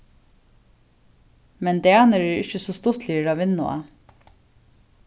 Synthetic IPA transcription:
mɛnd̪ɛːɑnəɾɛɾɪçəsost̪ʊt̪ʰliːəɾɑːʋɪnʊ̰a̰

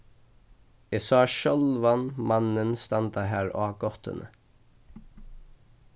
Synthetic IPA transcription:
ɛːsɑːʃœlʋanmanənst̪ant̪aɦæːɹaːɡɔht̪ə̰nə̰

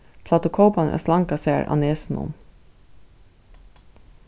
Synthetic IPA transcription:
pʰlɑt̪ʊkʰoːpɑnʔɛ̰slɑŋkɑsæːɹʔɑ̰neːsn̩ʊ̰m

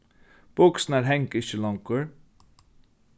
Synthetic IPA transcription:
b̥ɔksn̩æːɾɦɛŋkɪçəlɔŋkəɹ

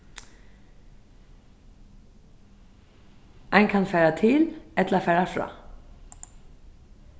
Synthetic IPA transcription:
ʔæɪŋkʰɑnfæːɾɑt̪ʰɪlʔɛt̪l̩ɑːfæːɾɑfɹɑ̰ː

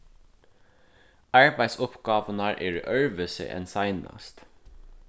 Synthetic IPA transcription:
ɑɹbæɪsʊpɡɑːʋənɑɹʔeːɹʔœɹʋəsɪ̰ʔɛ̰nsɑɪnɑ̰st̪

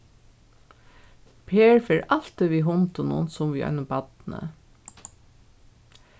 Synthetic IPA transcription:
pʰeːɹfeːɹʔɑl̥t̪iʋiːɦʊnt̪ʊnʊ̰nsʊmʋiːɔ̰jnʊmbɑt̪nə̰

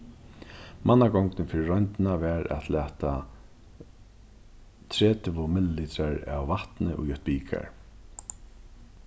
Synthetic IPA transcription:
mʔanːaɡɔŋknɪnfɪɾɪɹɔjnt̪ɪnavɛɾɛ̰t̪læːt̪a | t̪ʰɾɛːt̪ʰʏvʊmɪlliːt̪ɾaɹa̰wvaht̪nɪʔʊjœht̪̚biːkʰa̰ɹ

